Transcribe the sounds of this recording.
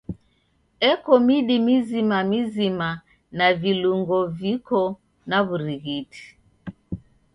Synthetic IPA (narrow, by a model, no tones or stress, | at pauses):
ɛkɔmiɗimizimamizima | naviluŋɡɔvikɔ | naβuɾiɣiti̥